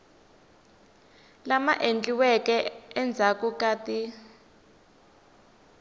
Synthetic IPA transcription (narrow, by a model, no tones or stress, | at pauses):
lamaʔend͡ɮiwɛkɛɛnd͡zʱakukaːti